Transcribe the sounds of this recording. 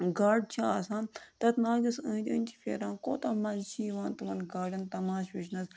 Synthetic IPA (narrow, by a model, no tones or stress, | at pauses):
ɡaːɖ̚t͡ʃʰaːsãːmt̪ɐt̪naːɡɐsə̃ːd̪ʲɐːnʲt͡ʃʰi̥pʰʲḛːɾãːnkoːt̪ɐmɐlt͡ʃʰiːʋãːnt̪uʋɐnɡaːɖʲɐnt̪ɐmaːʃʋiʃnɐs